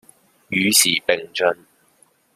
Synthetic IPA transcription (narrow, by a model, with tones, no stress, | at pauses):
jyː˨˧siː˨˩pɪ˨ŋt͡ʃɵ˧n